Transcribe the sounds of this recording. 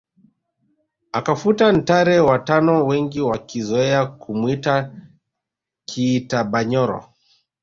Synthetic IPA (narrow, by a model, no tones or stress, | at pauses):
akafutan̩taɾɛwatanɔwɛŋɡiwakizɔɛakumwita | kʰiːtaɓaɲɔɾɔ̰